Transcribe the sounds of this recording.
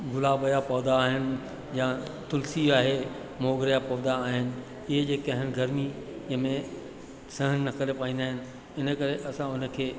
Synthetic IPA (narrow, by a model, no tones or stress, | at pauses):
ɡʊlaːbəjapɐːd̪aːɦɪnɪ̆ | jãt̪ʊlsiaːɦe | moːɡɾəjapɐːd̪aːɦɪnɪ̆ | ɪɦed͡ʑeːkɐɦɪnɪ̆ɡɐɾmiɪɦəmẽ | sɐ̃ɦənnɐkəɾepaːĩːd̪aːɦɪnɪ̆ | ɪnəkɐɾeʔɐsãʊnə̆kʰeː